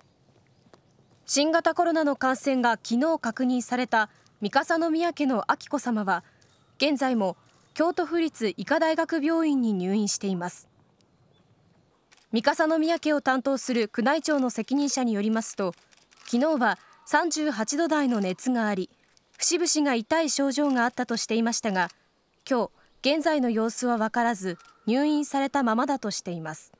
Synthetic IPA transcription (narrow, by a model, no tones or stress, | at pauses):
ɕĩŋɡat̪ako̞ɾo̞nano̞kãɰ̃sẽ̞ŋɡakʲino̞ːkakɯ̟ɲ̟ĩɰ̃saɾe̞t̪a | mʲikasano̞mʲijake̞no̞ʔakʲi̥ko̞samaβa | ɡ̥ẽ̞nd͡zaimo̞ | kʲo̞ːt̪o̞ɸɯ̟ɾʲit͡sɨʔikad̪aiɡakɯ̟bʲjo̞ːĩɲ̟ːiɲ̟ɨːĩɰ̃ɕi̥t̪e̞imasɨ̥ | mʲikasano̞mʲijake̞o̞t̪ãnt̪o̞ːsɨɾɯ̟kɯ̟nait͡ɕo̞ːno̞se̞kʲiɲ̟ĩɰ̃ɕaɲ̟ijo̞ɾʲimasɨ̥t̪o̞ | kʲino̞ːβa | sãɲ̟d͡ʑɨːɦat͡ɕid̪o̞d̪aino̞ne̞t͡sɨŋaːɾʲi | ɸɯ̟̥ɕibɯ̟ɕiŋait̪aiɕo̞ːʑo̞ːŋaːt̪ːat̪o̞ɕi̥t̪e̞imaɕi̥t̪aɡa | kʲo̞ː | ɡ̥ẽ̞nd͡zaino̞jo̞ːsɨβaβakaɾazɨ | ɲ̟ɨːĩɰ̃saɾe̞t̪amamad̪at̪o̞ɕi̥t̪e̞imasɨ̥